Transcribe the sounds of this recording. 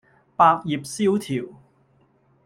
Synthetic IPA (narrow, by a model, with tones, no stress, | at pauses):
paː˧k̚jiː˨˩p̚siː˥wt̪ʰiː˨˩w